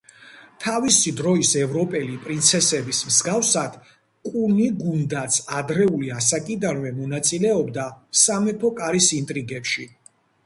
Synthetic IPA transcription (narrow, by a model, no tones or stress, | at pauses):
t̪ʰavisid̪ɾɔisɛvɾɔpʼɛlipʼɾint̪sʰɛsɛbismzɡafsad̪̥ | kʼuniɡund̪at̪sʰad̪ɾɛuliasakʼid̪anvɛmɔnat̪sʼilɛɔbd̪asamɛpʰɔkʼaɾisint̪ʼɾiɡɛpʃi